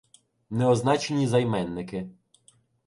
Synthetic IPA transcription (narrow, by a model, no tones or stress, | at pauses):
nɛɔznɑt͡ʃenʲizɐjmɛnːɪkɪ